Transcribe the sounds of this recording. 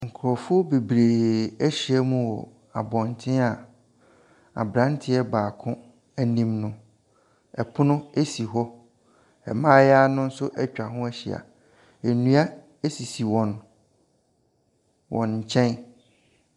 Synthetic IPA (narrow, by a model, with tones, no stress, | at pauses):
ŋ̩˨kʰʊ˨ɾɔ˨fʊ˦be˨bɾeː˨æ˦ɕi˨ɛ˦mũ˦˨ɔ˨ | a̰˨bɔ̃˨n˨tʰɪ̃˦a˨ | a̰˨bɾã˦ntʰɪ˦ɛ˦baː˨kʰʊ̃˦ | æ˨nĩ˦mnʊ̃˨ | ɛ˨pʰʊ˦nʊ̃˦e˦si˨ɦɔ˦ | ɛ̰˨mãː˦jaː˦nʊ̃˦n̩˦sʊ˦ʔɛ˦t͡ɕᶣa˨ɦʊ̃˦æ˦ɕḭ˨a̰˨ | e˨nũ˦a˦ | e˦si˨si˨wɔ̃˨n | wʔɔ̰̃˨nɲ̩˨t͡ɕʰɛ̃˦n